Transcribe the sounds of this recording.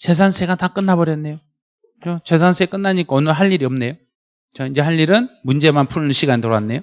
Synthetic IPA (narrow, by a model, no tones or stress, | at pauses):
t͡ɕe̞s̬ʰansʰeɡatak͈ɯnːabʌɾjʌnːe̞jo | t͡ɕot͡ɕe̞s̬ʰansʰe̞k͈ɯnːaɲik͈aʌnɯɭɦaʎːiɾiʌmne̞jo | t͡ɕaid͡ʑe̞ɦaʎːiɾɯnmund͡ʑe̞manpʰuɭɯɕʰiɡaɲitoɾoanːe̞jo